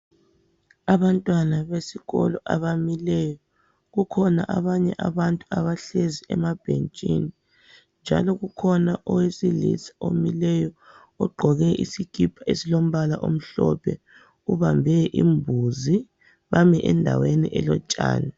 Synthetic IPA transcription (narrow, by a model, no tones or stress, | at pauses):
aβantʼwanaβesiɣɔlɔʔaβamilɛjɔ | ɣukʰɔna̰ʔaβaɲɛʔaβantʼuaβaɬeziʔɛ̰mab̥ʱent͡ʃʼini | nd͡ʒʱa̰lɔɣukʰɔnaʔɔwesilḭsḁo̰milɛjɔ | ɔɡ͡ǃʱɔɣɛʔḭsiɡ̥ʰʱʼipʰaesilom̩βalaʔom̩ɬɔpʰɛ | uβambʱɛʔimbʱuzi | βamiʔɛndʱa̰wenḭʔɛlɔt͡ʃʼa̰ːna